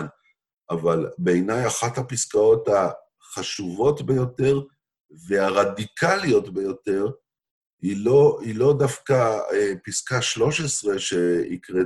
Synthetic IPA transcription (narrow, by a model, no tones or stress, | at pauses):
n | ʔavalbe̞jnajaχathapiskao̞ta | χaʃuvo̞tbe̞jo̞te̞ʁ | ve̞aʁadikʰalijo̞tbejo̞te̞ʁ | ioilo̞dafkaepiskaʃlo̞ʃe̞sʁe̞ʃe̞ḭkʁe